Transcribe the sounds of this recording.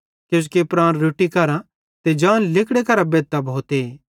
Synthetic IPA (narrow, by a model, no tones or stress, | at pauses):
kes̬kepɾãːnɾʊʈikɐɾã | t̪ed͡ʒãːnlɪkɽekɐɾabeːt̪ːabʱoːt̪e